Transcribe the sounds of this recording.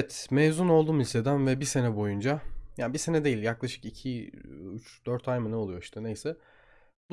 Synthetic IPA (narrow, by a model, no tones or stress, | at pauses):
ɛt̪mejzuno̞lˠd̪uːmizʲt̪ʰe̞d̪ænvɛbise̞nɛbo̞jund͡ʒajaːnbise̞nɛd̪e̞jilʲjaklˠaʃɯ̥kicʰiyt͡ʃd̪̥øɾt̪ʰajmɯnɛo̞lˠujo̞i̥ʃt̪ʰɛnejsɛ | bu